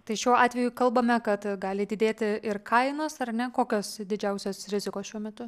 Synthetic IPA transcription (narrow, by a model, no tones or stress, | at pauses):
t̪ɐɪʃʲuːɑːt̪ʲʋʲɛjʊkɐlˠbɐmʲɛkɐt̪ɡɑːlʲɪd̪ʲɪd̪ʲeːt̪ʲɪɪrkʰɐɪnoːsɐrnʲɛkoːkʲoːsd̪ʲɪd͡ʒʲɛʊsʲoːsɾʲɪzʲɪkoːsʃʲuɔmʲɛt̪ʊ